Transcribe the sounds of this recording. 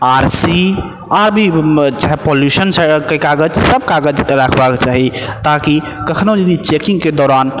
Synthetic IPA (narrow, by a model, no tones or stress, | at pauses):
aɾsi | aɾbʱit͡ʃaɦɛpoljusənsə̃kəkaɡəd͡ʒsəb̚kaɡəd͡ʒɾakʰbaket͡ʃaɦit̪aki | kəkʰnod͡ʒəd̪it͡ʃekĩŋɡked̪ɔːɾan